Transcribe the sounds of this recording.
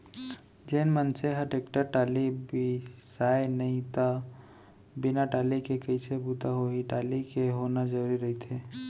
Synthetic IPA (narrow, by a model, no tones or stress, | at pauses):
d͡ʒeːnmənseɦəʈeːkʈəɾʈaːlibʱisaːenɐɦĩt̪a | bɪnaʈaːlikekɐisebuːt̪aɦoɦiʈaːlikeɦoːnad͡ʒɐɾuːɾiɾɐɦit̪ʰeː